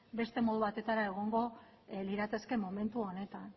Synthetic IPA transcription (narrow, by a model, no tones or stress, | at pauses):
be̞st̪e̞mo̞ð̞uβ̞at̪e̞t̪aɾae̞ɣ̞o̞ŋɡo̞ | liɾat̪e̞ske̞mo̞me̞nt̪uo̞ne̞t̪an